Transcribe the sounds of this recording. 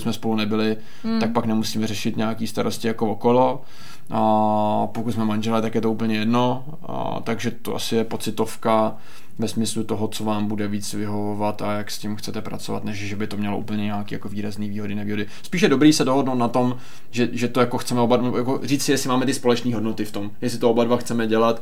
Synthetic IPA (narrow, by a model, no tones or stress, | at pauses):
smɛspo̞lunɛbɪlɪ | t̪ak̚paknɛmusiːmɛrɛʃɪt̪ɲaakiːst̪aɾʔoscɪjakookolo̞ | pokut̪s̬mɛmanʒɛlɛt̪akjɛt̪o̞upl̩ɲɛjɛdno | t̪aɡʒɛt̪oʔa̰sɪjɛpo̞t͡sɪt̪o̞fka | vɛsmɪslut̪o̞ɦot͡so̞vaːmbudɛviːt͡svɪɦovovat̪ajakscɪmxt͡sɛt̪ɛpɾa̰t͡sova̰t̪nɛʃʒɛbɪt̪omɲɛlo̞ʔṵpl̩ɲɛɲaakḭːjakoviːɾazniːviːɦodɪnɛviːɦo̞dɪ | spiːʃjɛdo̞bɾiːsɛdoɦodnowt̪nat̪o̞m | ʒɛʒɛt̪ojakoxt͡sɛmɛobanɛjakoriːt͡sɪjɛsɪmaːmɛt̪ɪspo̞lɛt͡ʃniːɦo̞dnot̪ɪft̪o̞mjɛs̬ɪt̪oobadvaxt͡sɛmɛɟɛlat̪